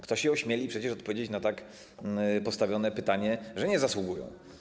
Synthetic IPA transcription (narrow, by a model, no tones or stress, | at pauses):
kt̪ɔɕɛɔɕmʲjelʲipʂɛt͡ɕɛʂɔt̪̚pɔvʲed͡ʑet͡ɕnat̪ak | pɔst̪avʲjɔnɛpɘt̪aɲɛʐɛɲɛzaswuɡujɔ̰̃w̃